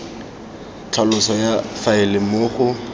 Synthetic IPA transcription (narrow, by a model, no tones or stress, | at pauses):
t͡ɬʰalʊsɔjafaɪlɪmʊːχʊ